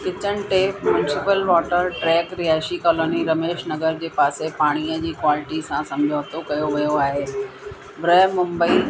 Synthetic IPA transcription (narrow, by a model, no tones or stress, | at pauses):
kɪt͡ɕəɽ̃̆ʈeːpmjʊnɪsɪpəlʋɔːʈəɾʈɾɛːkɾiɦaːʃikɔːloːniɾɐmeːʃnɐɡəɾd͡ʑeːpaːsepaːɽ̃iːəd͡ʑiːkʋɔːlɪʈisãsɐ̃md͡ʑʱoːt̪ʰokɐjoʋijoaːɦeː | bɾəɦmʊ̃mbəi